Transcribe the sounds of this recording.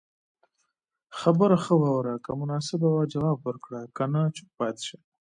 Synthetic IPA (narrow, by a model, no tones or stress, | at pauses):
xabəɾaxəwɑwɾakamʊnɑsɪbawad͡ʒawɑbwəɾkɽakanat͡ʃɪ̥pɑt̪ʃa